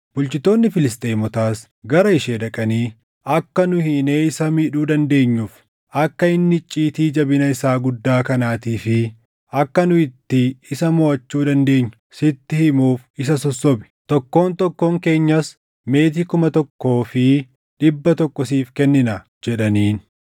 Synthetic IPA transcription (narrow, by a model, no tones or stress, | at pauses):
b̥ʊlt͡ʃɪt̪ːo̞ːnːɪfɪlɪst̪ʼeːmɔt̪aːs | ɡɐɾɐɪʃeːdɐkʼɐniː | ɐkːɐnʊhɪneːɪsɐmɪᶑuːd̪ɐnd̪e̞ːɲːʊf | ɐkːɐɪnːɪt͡ʃʼːiːt̪iːd͡ʒɐbɪnɐɪsaːɡʊd̪ːaːkɐnaːt̪iːfɪ | ɐkːɐnʊɪt̪ːɪɪsɐmɔːʔɐt͡ʃːuːd̪ɐnd̪e̞ːɲːʊsɪt̪ːɪhɪmuːfɪs̬ɐsɔsːɔbɪ̥t̪ɔkːo̞ːnt̪ɔkːo̞ːŋke̞ːɲːɐs | me̞ːt̪̬iːkʊmɐt̪ɔkːo̞ːfɪ | ɗɪbːɐt̪ɔkːɔsiːfkɛnːɪnɐ | d͡ʒɛᶑɐniːn